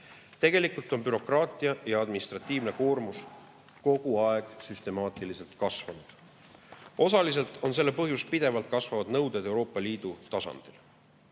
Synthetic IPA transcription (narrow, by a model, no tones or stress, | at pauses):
t̪e̞ɡ̥e̞likˑult̪ˑo̞npyɾo̞krɑːt̪ˑiɑjɑɑd̪minist̪rɑt̪ˑːiːvne̞koːrmus | ko̞ɡ̥uɑe̞ɡ̥syst̪e̞mɑːt̪ˑilise̞lt̪kɑsvɑnud̪̥ | ʔo̞sɑlis̬e̞lt̪ˑo̞ns̬e̞lːe̞pɤɦjuspid̪e̞vɑlt̪̚kɑsvɑvɑd̪nɤwd̪̥ed̪̥ewɾo̞ːpːˑɑliːd̪̥ut̪ɑsɑ̰nd̪̥il